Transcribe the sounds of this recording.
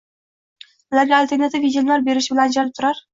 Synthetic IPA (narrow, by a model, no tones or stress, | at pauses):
ʊlaɾɡʲaːlʲt̪ʰe̞ɾnat̪ɪvid̪ʲomlaɾbe̞ɾɪʃɪbɪland͡ʒanɪp̚t̪ʰʊɾaɾ